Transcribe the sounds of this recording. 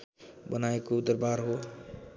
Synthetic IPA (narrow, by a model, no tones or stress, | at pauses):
bənaekod̪əɾbaɾɦo